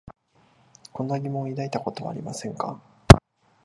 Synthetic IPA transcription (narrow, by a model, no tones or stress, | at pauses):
kõ̞nːaɡʲimõ̞ɰ̃id̪ait̪ako̞t̪o̞βa̰ːɾʲimasẽ̞ŋka